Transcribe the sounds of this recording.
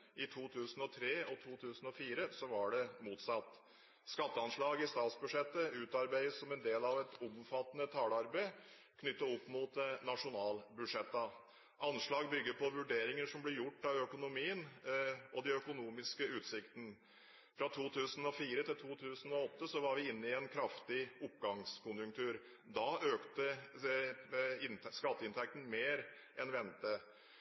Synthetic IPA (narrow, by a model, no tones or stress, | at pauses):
ɪt̪ʰuːt̪ʰʉːsən̩ɔt̪ʰɾeːɔt̪ʰuːt̪ʰʉːsənɔfiːɾəsɔʋɑɖɛmuːt̪sɑt̪ː | skɑt̪ːəɑnʂɭɑːɡɪst̪ɑːt̪sbʉʂɛt̪ːəʉːt̪ɑɾbæɪəssɔmɛnd̪eːlɑʋɛt̪ʊmfɑt̪ːənət̪ʰɑːləɑɾbəɪ | kʰnʏt̪ːəɔpːmʊːt̪nɑʂʊnɑːlbʉʂɛt̪ːə | ʔɑnʂɭɑːɡbʏɡːəɾpʰɔʋʉɖeːɾɪŋəʂɔmblɪɾjʊʈːɑʋœkʊnʊmiːənɔd̪ɛœkʊnuːmɪskəʉːt̪sɪkt̪n̩ | fɾɑt̪ʰuːt̪ʰʉːsən̩ɔfiːɾət̪ʰɪlt̪ʰuːt̪ʰʉːsən̩ɔɔt̪ːəsɔʋɑɾʋɪɪnːəɪɛnkʰɾɑft̪ɪʊpːɡɑŋskʰʊnjʉŋkt̪ʰʉːɾ | d̪ɑøːkt̪ə | ɪnskɑt̪ːəɪnt̪ʰæk̚t̪n̩meːɾ | ʔɛnʋɛnt̪ə